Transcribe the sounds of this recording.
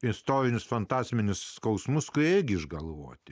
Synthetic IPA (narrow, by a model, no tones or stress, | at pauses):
ɪst̪oːɾʲɪnʲʊsfɐnt̪ɑːsʲmʲɪnʲʊsskɐʊsmʊskʊiɪɡʲɪɪʒɡɐlˠʋoːt̪ʲɪ